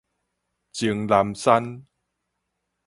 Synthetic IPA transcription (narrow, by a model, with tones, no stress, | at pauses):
t͡ɕi˨˩˦ŋla˨˦msa˦˥n